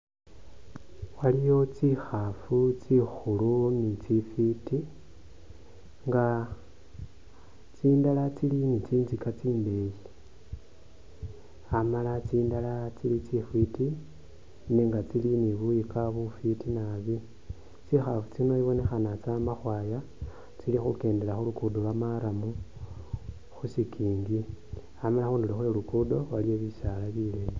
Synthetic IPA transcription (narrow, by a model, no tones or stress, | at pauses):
walijo̞t͡sixafut͡sixulunit͡sifiti | ŋɡa | t͡sindalat͡silinit͡siːnzikat͡siːmbe̞ji | amalat͡siːndalat͡silit͡sifiti | niːŋɡat͡siliniβujikaβufitinaβi | t͡sixafut͡sinoiβo̞ne̞xanat͡samaxwaja | t͡silixuke̞ːnde̞laxulukudowamaɾamu | xusikʰiːŋɡi | amalaxuːndulixwelukudo̞waljoβisalaβileje